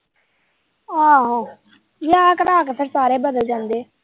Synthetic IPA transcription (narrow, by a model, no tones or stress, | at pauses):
ãːɦãː | jaːkəɾaːkəsʰəɾsaːɾeːbəd̪əld͡ʒãːnd̪eː